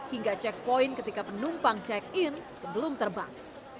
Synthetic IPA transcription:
hiŋɡat͡ʃɛk̚pɔinkət̪ikapənumpaŋt͡ʃɛk̚ɪnsəbəlʊmt̪ərba̰ŋ

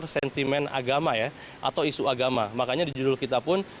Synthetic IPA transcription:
rsɛnt̪imɛna̰ɡamaja | ʔa̰t̪awisuaɡamamakaɲadid͡ʒudʊlkit̪apʊn

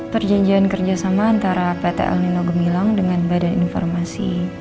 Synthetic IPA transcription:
pərd͡ʒaɲd͡ʒiankərd͡ʒasamaːnt̪aɾapet̪ḛʔɛ̰lninɔɡəmilaŋdəŋanbadaninfɔ̰rmasḭ

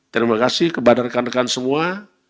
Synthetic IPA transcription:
t̪əɾimakasɪhkəbanarkanəkansəmua

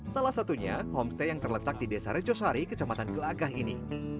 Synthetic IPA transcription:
salahsat̪uɲa̰ɦɔmst̪ajaŋt̪ərlət̪ak̚didesaɾed͡ʒosaɾikət͡ʃamat̪anɡəlaɡahini

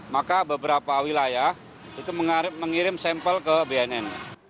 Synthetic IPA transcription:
makabəbəɾapawilajah | it̪uməməŋiɾɪmsɛmpəlkəbeɛnɛn

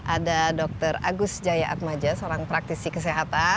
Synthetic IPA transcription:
ʔadadɔk̚t̪əɾa̰ɡʊsd͡ʒajaʔa̰t̪̚mad͡ʒasoɾaŋpɾak̚t̪isikəseɦat̪a

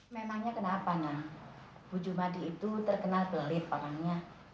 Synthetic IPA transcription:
memaŋɲakənapana | b̥ud͡ʒumadiːt̪ut̪ərkənalbəlɪt̪̚pakaŋɲa

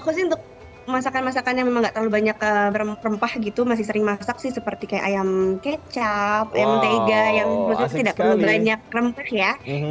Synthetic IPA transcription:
akʊs̬nnt̪ʊk̚ | masakanmas̬akanjaŋmemaŋɡaʔt̪ərlalubaɲakəbəɾəmrəmpahɡit̪umas̬ɪhsəɾɪŋmasaksɪhsəpərt̪ikaja̰ʔajamket͡ʃap̚a̰jamənt̪eɡajaŋlʊsit̪ut̪idaʔk̚p̪əlubaɲak̚rəmpahja

